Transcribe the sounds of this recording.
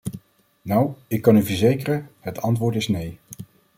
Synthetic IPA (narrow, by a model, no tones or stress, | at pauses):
nawɪkːɑnyvəɹzejkərənɦətɑntʋʊːɹtɪsnej